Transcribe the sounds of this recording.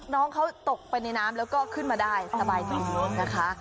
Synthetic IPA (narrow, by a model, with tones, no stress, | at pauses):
nɔː˦˥ŋkʰa˦˥wt̪o˨˩k̚pa˧jna˧jnaː˦˥mlɛː˦˥wkɔː˥˩kʰɯ˥˩nmaː˧daː˥˩jsa˧baː˧jt̪a˧˩u˧˩na˦˥kʰa˦˥ʔ